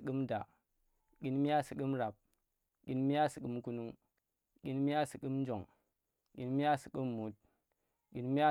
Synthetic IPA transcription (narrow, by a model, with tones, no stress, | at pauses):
kɨ˦mda̰˨ | kʲi˨nmi˦ja˦si˨kɨ˦mɾa˨p̚ | kʲi˨˦nmi˦ja˦si˨kɨ˨mku˦nu˦ŋ | kʲi˨nmi˦ja˦si˨kɨ˦mn˦d͡ʒo˨ŋ | kʲi˨˦nmi˦ja˦si˨kɨ˦mːu˨˦t̚ | kʲi˨nmi˦a˦